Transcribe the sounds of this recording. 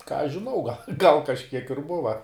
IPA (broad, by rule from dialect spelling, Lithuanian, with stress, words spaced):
kɑː ɐʃ ʒʲɪˈnɐʊ ɡɐlʲ ˈɡɐlˠ kɐʃʲˈkʲiɛk ɪr ˈbʊʋɐ